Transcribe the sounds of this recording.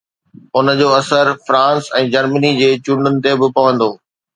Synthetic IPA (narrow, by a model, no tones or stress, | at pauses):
ʊnəd͡ʑoːɐsəɾfɾãːnsɛ̃ːd͡ʑɐɾmənid͡ʑeːt͡ɕũɳɖʊnɪ̆t̪ebɪpɐʋə̃nd̪oː